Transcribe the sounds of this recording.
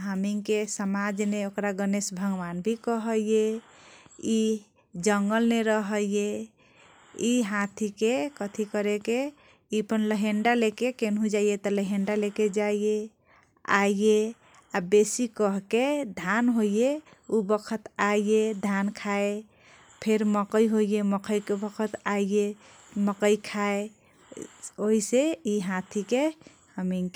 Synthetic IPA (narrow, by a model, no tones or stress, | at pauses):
ɦamiŋkesəmad͡ʒneokɾaɡənesbʱəɡwanbʱikəɦəjje | i | d͡ʒəŋɡəlneɾəɦəjje | iɦãt̪ʰikekət̪ʰikəɾeke | ipənləɦeɳɖalekekenɦũd͡ʒaijet̪ɔləɦeɳɖaleked͡ʒaije | a̰ije | abesikəɦked̪ʱanɦoijeubəkʰət̪aied̪ʱankʰae | pʰeɾməkəjɦojjeməkʰəjkebəkʰət̪aie | məkəjkʰae | oiseiɦat̪ʰike | həmiŋk